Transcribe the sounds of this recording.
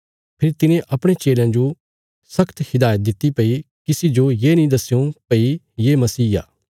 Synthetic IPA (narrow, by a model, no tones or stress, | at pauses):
pʰɪɾit̪ɪnẽʔɐpɽ̃et͡ʃeːljãd͡ʒo | sɐkʰt̪hɪd̪aːjət̪̚d̪ɪt̪ːipɐi | kɪsid͡ʒojeːnĩd̪ɐsːjõpɐi | jeːmɐsiːa̰ː